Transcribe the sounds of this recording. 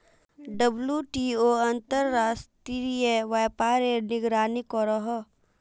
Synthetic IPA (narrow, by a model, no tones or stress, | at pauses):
ɖəbljuʈioɐ̃nt̪əɾːaːst̪iɾijeʋaːpaːɾenɪɡɾaːnikɔɾɔɦɔ